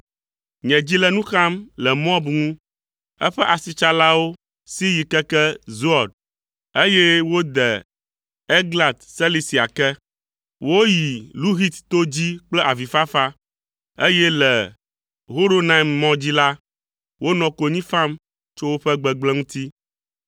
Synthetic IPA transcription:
ɲɛ̃˨d͡ʑi˦lɛ˦nũ˦xa˦mlɛ˨mɔ˦bŋũ˦ | ɛ̰˦ɸɛ˦ʔa˨si˨t͡ʃa˦la˦wo˦ | si˦ji˨kɛ˦kɛ˦zu˦a˨d̚ | e˦jɛ˦wo˦d̪ɛ˨ | e˦ɡla˨t̪sɛ˦li˦si˨a˨kɛ˦ | wo˦ji˨lu˦ɦi˦t̪t̪o˦d͡ʑi˦k͡plɛ˦ʔa˨vi˨fa˦fa˦ | e˦jɛ˦lɛ˨ | ɦo˦ɾo˦na˦˨mːɔ̃˦d͡ʑi˦la˦ | wo˦nɔ̃˨ko˨ɲĩ˦fa˦m | t͡ʃo˦wo˦ɸɛ˦ɡ͡bɛ˨ɡ͡blɛ˦ŋũ˦t̪i˦

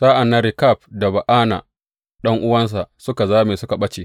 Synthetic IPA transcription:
saː˦ʔa˨nːa˦ɾɪ˨ka˦˨ɸ̚da˨ba˨ʔaː˦na̰˨ | ɗɐ˦ŋʔʊ˦wɐ˦ns̬a˨ʔsʊ˦ka˨zaː˦meː˨sʊ˦ka˨ɓɐ˦t͡ʃeː˨

